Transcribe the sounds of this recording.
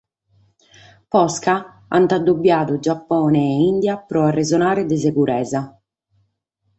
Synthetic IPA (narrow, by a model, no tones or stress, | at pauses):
pɔska | a̰nt̪ad̪ːobːjaːt̪ʊd͡ʒapːɔːnɛːind̪japɾɔarːɛzɔnaːɾed̪ɛsekuɾɛːza